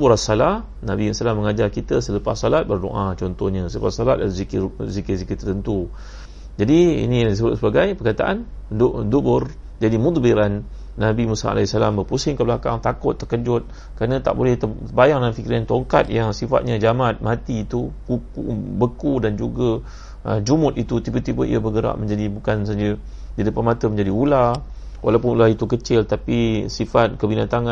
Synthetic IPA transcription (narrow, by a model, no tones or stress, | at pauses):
d̪bʊɾasalah | nabisalaməŋad͡ʒarkit̪əsələpasːɔlat̪̚bərdo̰ʔat͡ʃɔnt̪ɔhɲãsələpasɔlat̪̚dazikzikizikət̪ərt̪ənt̪u | d͡ʒadiḭnidisəbʊt̪səbaɡajpərkat̪a̰ʔa̰n | d̪ʔd̪ubʊr | d͡ʒadimut̪ˤbiɾanː | abimusa̰a̰lɛisalambərpusɪŋkəbəlaka̰ŋt̪akʊt̪ːəkəd͡ʒʊt̪̚ | kəɾanə̃t̪a̰ʔbolɛht̪əbajaŋnamfikiɾant̪oŋka̰t̪̚jaŋsifa̰t̪̚ɲad͡ʒamat̪̚mãt̪it̪ukukṵbəkudand͡ʒuɡa | əd͡ʒumʊt̪it̪ut̪ibət̪ibəḭəbəɡəɾa̰ʔməɲd͡ʒadibukansad͡ʒə | dədəpanmat̪əmə̃ɲd͡ʒadiula | wa̰lawpʊnulait̪ukət͡ʃɪlt̪apisifat̪̚kəbinat̪aŋa